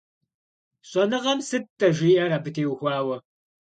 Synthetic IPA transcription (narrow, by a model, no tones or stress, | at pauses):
ɕʼɔnɨʁɐmsɨt̚tːɐʒʷiːʔɐɾɐbɨtʰeːwxʷɑːwɐ